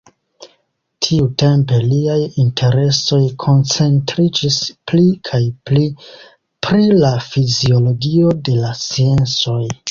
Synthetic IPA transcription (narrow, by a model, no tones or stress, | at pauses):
tʰiute̞mpe̞liajintʰe̞ɾe̞so̞jkʰo̞nt͡se̞ntɾid͡ʒisplikʰajpli | pɾilafizio̞lo̞ɡio̞de̞lasie̞nt͡so̞j